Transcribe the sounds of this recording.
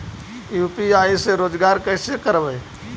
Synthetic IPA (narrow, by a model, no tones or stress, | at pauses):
juːpiaːiseɾoːd͡ʒɡaːɾkɛːsekəɾbəː